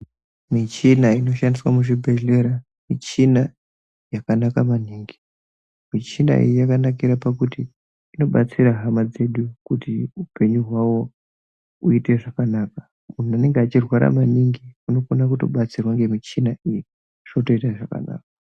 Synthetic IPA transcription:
mit͡ʃinaino̞ʃandiswamuʐibʱe̞ɮe̞ɾa | mit͡ʃina | jakanakamaniːŋɡi | mit͡ʃina̰ḭjjakanakiɾapakutiː | no̞ɓat͡siɾaɦamad͡ze̞ɗukutiupe̞ɲuɦwawo̞ | uite̞ʐakanaːka | mun̤uane̞ŋɡeat͡ʃirwaɾa̰maniŋɡiuno̞fonak̬uto̞̰ɓat͡sirwaŋɡe̞mit͡ʃinaiji | ʐ̥noto̞itaʐaka̰na̰ːka

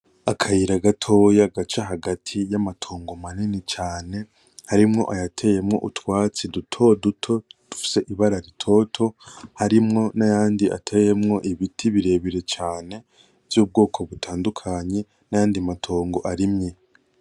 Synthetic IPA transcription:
akʰajiɾaɡatʰo̞jaɡat͡ʃaɦaɡatʰijamatʰo̞ːŋɡo̞maninit͡ʃaːne̞ | haɾimŋo̞̰ʔajatʰe̞jemŋo̞̰ʔutwaːt͡sidutʰo̞dutʰo̞d̥u̥fi̥se̞ʔiβaɾaɾitʰo̞tʰo̞haɾimŋo̞najaːndia̰tʰe̞je̞mŋo̞ʔiβitʰiβiɾe̞βiɾe̞t͡ʃaːne̞ | vjuːb̚ɡo̞ːkʰo̞βutʰaːndukʰaɲe̞ | najaːndiamatʰo̞ːŋɡo̞ʔaɾimɲe

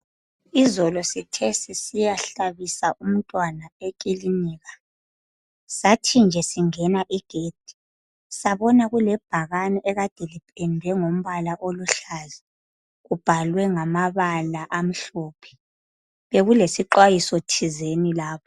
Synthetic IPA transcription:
izɔlɔsitʰɛsisijaɬaβisaʔum̩tʼwanaekʼiliniːɣa | satʰind͡ʒʱɛsiŋɛnaʔiɡ̥ʱeːd̥ʱi̥ | saβɔnaɣulɛb̥ʱaɣanɛʔɛɣad̥ʱelipʰʼɛndʱɛŋom̩βalaʔoluɬazi | ɣub̥ʱalwɛŋamaβalaʔam̩ɬɔːpʰɛ̥ | βeɣulesiǃwajisɔtʰizenilaːpʰɔ

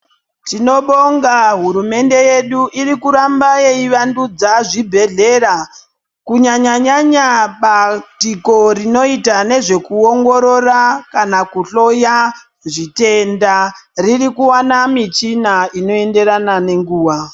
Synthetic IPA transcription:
tino̞ɓo̞ŋɡaɦuɾume̞nde̞je̞ɗuʔiɾikuɾambajeiʋandud͡zaʐibʱe̞ɮe̞ɾa | kuɲaɲaɲaɲaɓatiko̞rino̞itane̞ʐe̞kuoŋɡo̞ɾo̞rakanakuɬo̞ja | ʐite̞ndaririkuwanamit͡ʃinaʔino̞e̞nde̞ɾanane̞ŋɡuːʋa

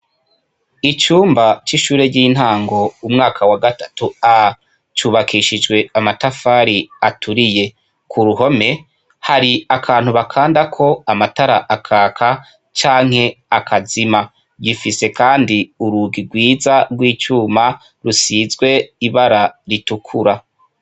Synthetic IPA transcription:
it͡ʃuːmbat͡ʃiʃuːɾe̞ɟiːn̥haːŋɡo̞umŋaːkʰawaɡatatua | t͡ʃuːβakʰiʃid͡ʒɡwe̞amatafaːɾiatuɾije̞ | kʰuɾuɦo̞me̞ | haɾiakʰaːn̥huβakʰaːndakʰo̞amataɾaʔakʰaːkʰa | t͡ʃaːŋ̥he̞akʰazima | ɟifise̞kaːndiuɾuɡiɾɡwiːzaɡwiːt͡ʃuːma | ɾusizɡwe̞iβaɾaɾitukʰuɾa

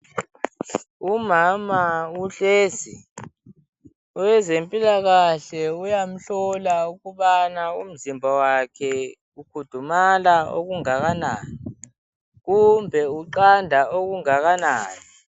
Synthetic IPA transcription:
umamauɬeːzi | ɔwɛzempʼilaɣaɬɛujam̩ɬɔlauɣuɓanaṵm̩zimbʱawakʰɛ | ukʰud̥ʱumalao̰ɣuŋaɣ̬ana̰ːni | ɣumbʱɛuǃandʱaʔoɣ̬uŋaɣana̰ːni

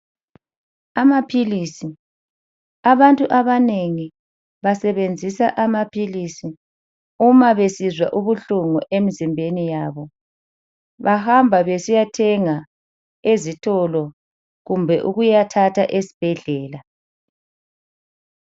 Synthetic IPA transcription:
amapʰilisi | aβantʼuʔaβaneŋi | βasɛβend͡zʱisaʔamapʰilisi | umaβesizwaʔuβuɬuŋuʔemizimbʱenijaːβɔ | βahambʱaβesijatʰɛŋa | ezitʰɔlɔ | ɣumbʱɛʔuɣujatʰatʰaʔesi̥b̥ʱɛɮɛːla

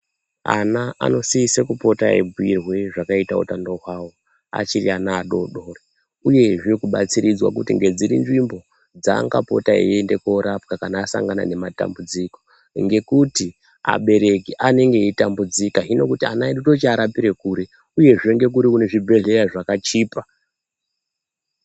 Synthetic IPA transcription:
a̰naʔa̰no̞siisekupo̞taḛbuwirwe̞ʐakaita̰ṵtandoɦwaːwo | a̰t͡ʃirḭanaːɗo̞ɗo̞ːre | uje̞ʐikuɓat͡siɾid͡zwa̰kutiŋɡe̞d͡ziɾḭnʐimbo̞ | d͡za̰ŋɡa̰po̞̰taḭende̞ko̞ɾapkakanaːsa̰ŋɡana̰ne̞mata̰mbud͡ziko̞̥ | ŋɡe̞kuti | a̰ɓe̞ɾe̞kiʔane̞ŋɡe̞itambud͡zikaɦino̞kutianaiɗuto̞t͡ʃiaɾapiɾe̞kuɾe̞ | uje̞ʐeŋɡe̞k̬uɾikune̞ʐibʱe̞ɮe̞raʐakat͡ʃiːpa

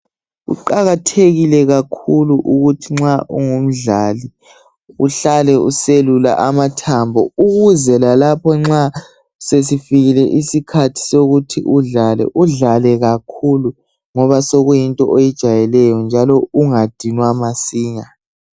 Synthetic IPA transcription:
ɣṵǃaɣatʰeɣilɛɣakʰuluʔuɣutʰiŋ͡ǁaʔuŋum̩ɮali | uɬalɛuselula̰ʔamatʰambʱɔuɣuzɛlalapʰɔŋ͡ǁa | ses̬ifiɣilɛʔisikʰatʰi̥soɣutʰḭʔuɮalɛ̰ʔuɮalɛɣakʰulu | ŋɔβasoɣujintʼɔ̰ʔejid̥ʒ̥ʱajɛlɛjɔnd͡ʒʱalɔuŋad̥ʱinwamasiːŋa

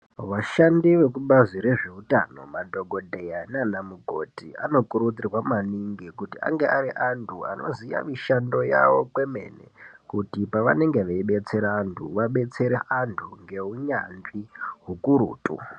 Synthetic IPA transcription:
ʋaʃandiʋek̬uɓaziɾe̞ʐe̞uta̰no̞madʱo̞ɡʱo̞dʱe̞jananamuɡʱo̞̰tia̰no̞kuɾud͡zirwamaniŋɡikutia̰ŋɡe̞ʔaɾiʔantʰua̰no̞̰zija̰miʃando̞ja̰ʋo̞kwe̞me̞̰nḛkutipaʋa̰ne̞ŋɡe̞ʋeiɓe̞t͡se̞ɾaːntʰṵʋaɓe̞t͡se̞ɾeʔantʰuŋɡe̞uɲanʐiɦukuɾṵːtʼṵ

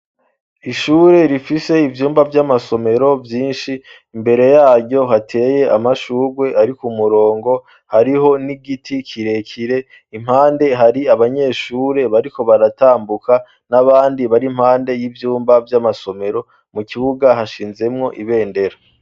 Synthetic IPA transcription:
iʃuːɾe̞ɾifise̞ivjuːmbavjamaso̞me̞ɾo̞vjiːnʃiː | mbe̞ɾe̞jaːɾɟo̞ɦatʰe̞ːje̞ʔamaʃuːɡwe̞ʔaɾikumuɾo̞ːŋɡo̞ | haɾiɦo̞niɡitʰikʰiɾe̞kʰiɾe̞ | im̥haːnde̞ɦaɾiaβaɲe̞ːʃuːɾe̞βaɾiko̞βaɾataːmbuka | naβaːndiβaɾimhaːnde̞jivjuːmbavjamaso̞me̞ɾo̞ | mukiβuɡaɦaʃiːnze̞mŋo̞ʔiβe̞ːnde̞ɾa

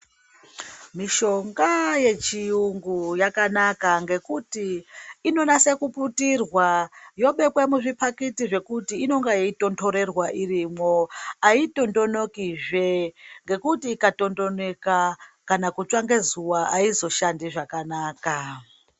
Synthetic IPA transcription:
miʃo̞ŋɡaje̞t͡ʃiuŋɡujakanakaŋɡe̞kutiːno̞nase̞kuputirwajo̞ɓe̞kwemuʐipakitiʐe̞kutiːno̞ŋɡajiito̞ntʰo̞ɾe̞rwaʔirimo̞aito̞ndo̞no̞kiʐeŋɡe̞kutiːkato̞ndo̞ne̞kakanakut͡ʃaŋɡe̞zuwaaizo̞ʃandiʐakanaːka

